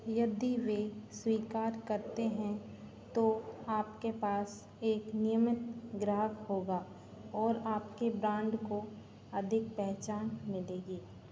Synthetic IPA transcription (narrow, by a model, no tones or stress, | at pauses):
jɐd̪iʋeswiːkaːɾkɐɾt̪eɦɛ̃ | t̪oaːpkepaːs | eːknɪjəmɪt̪ɡɾaːəkhoːɡaː | ɔːɾaːpkebɾãːɳɖko | ɐd̪ʱɪk̚pɛɦt͡ʃaːnmɪleːɡiː